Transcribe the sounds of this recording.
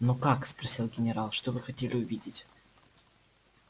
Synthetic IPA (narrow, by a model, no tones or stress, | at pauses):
nokakspɾɐsʲilˠɡʲɪnʲɪɾalˠʂt̪ovɨxɐtʲelʲɪʊvʲidʲɪtʲ